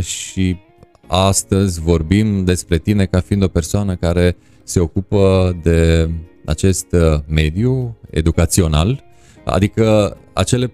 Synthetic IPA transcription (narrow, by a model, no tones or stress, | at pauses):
ʃi | ast̪əzʲvo̞rbimd̪e̞spɾe̞t̪ine̞kafiind̪ope̞rsoanəkaɾe̞ | se̞o̞kupəd̪e̞a̰t͡ʃe̞st̪me̞d̪jue̞̰d̪ukat̪sio̞nal | a̰d̪ikəa̰t͡ʃe̞le̞